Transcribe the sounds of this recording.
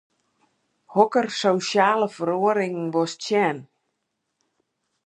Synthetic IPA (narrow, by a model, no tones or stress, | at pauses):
hɔkərsowsjaːləfəɾoəɾɪŋn̩ʋɔst͡ʃjɛːn